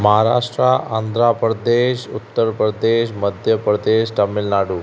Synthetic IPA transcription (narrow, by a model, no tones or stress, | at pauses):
məɦaɾa̰ʂʈɾaʔand̪ʱɾapɾəd̪eʃut̪ːəɾpɾəd̪eʃməd̪ʱjəpɾəd̪eʃʈəmɪlnaɽu